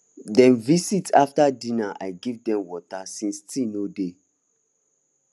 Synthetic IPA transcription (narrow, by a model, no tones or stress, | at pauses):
dɛ̃nvisitaftadĩnaʔa̰jɡivdɛ̃mwɔtasĩnstĩnode